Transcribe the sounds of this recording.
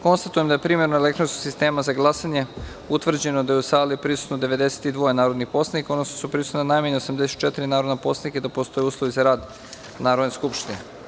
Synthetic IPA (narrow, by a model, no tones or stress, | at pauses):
ko̞nst̪at̪ujemd̪ajepɾiːmje̞ɾnoele̞kt̪ɾonskoɡ̥sist̪e̞ːmazaɡlˠasaɲe̞ | ut̪ʋr̩d͡ʑe̞nod̪ajeusaːlipɾisu̥t̪nod̪e̞ʋe̞d̪e̞se̥t̪id̪ʋo̞jenaːɾod̪nixpo̞slaniko̞d̪nosʃt̪osupɾisu̥t̪nanajmaɲeosamd̪ese̥t̪t͡ʃet̪iɾinaːɾo̞d̪napo̞slanikaid̪apo̞st̪o̞jeuːslˠoʋizaɾaːd̪ | naːɾod̪neskupʃt̪ine